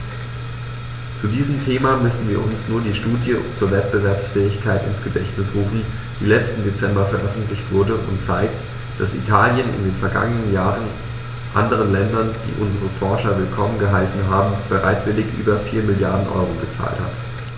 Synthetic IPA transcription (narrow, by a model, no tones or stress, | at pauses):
t͡sudiːzəmtʰeːmamʏsn̩viːɐʔʊnsnuːɐdiːʃtuːdjət͡suːɐvɛt̚b̥əvɛɐpsfɛːɪçkʰaɪtɪnsɡ̥ədɛçtnɪsʁuːfn̩ | d̥iːlɛt͡stn̩det͡sɛmbɐfɛɐʔœfn̩tlɪçtv̥ʊɐdəʔʊ̰ntt͡saɪk̚t | d̥asḭtʰaːljənɪ̰ndeːnfɛɐɡa̰ŋənənjaːʁən | ʔa̰ndəʁ̞ənlɛndɐnd̥ḭːʔʊnzəʁəfɔɐʃɐvɪlkʰɔmənɡəɦaɪsn̩ɦaːbm̩b̥əʁaɪtv̥ɪlɪçʔy̰ːbɐfiːɐmɪljaɐdn̩ʔɔ̰ʏʁoɡət͡sa̰ːltha̰t